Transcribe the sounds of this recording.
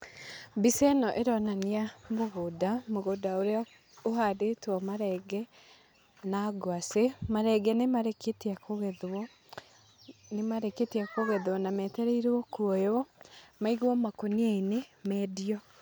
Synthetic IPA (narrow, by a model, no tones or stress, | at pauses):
bisɛnɔʔeɾɔnaniamoɣodamoɣodaoɾeɔ | oɦadetɔmaɾɛːɡɛ | naɡwasemaɾɛɡɛnemaɾeketiakoɣɛðwɔ | nemaɾeketiakoɣɛðwɔnamɛtɛɾeiɾɔkuɔjoɔmaiɣwɔmakoniainemɛːdiɔ